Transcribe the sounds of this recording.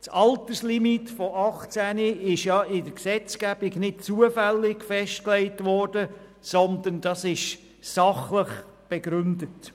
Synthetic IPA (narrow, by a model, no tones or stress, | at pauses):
t͡sɑltəslimitfɔʔɑχt͡sæniɪʃjɑɪdəɾksɛt͡sɡ̥æb̥ɪɡnɪt̚t͡suəfælːɪkfɛʃtklɛɪtʋɔrd̥ə | sɔnd̪əndɑsɪʃ | sɑχləχ | b̥ɛɡ̥ɾʏndət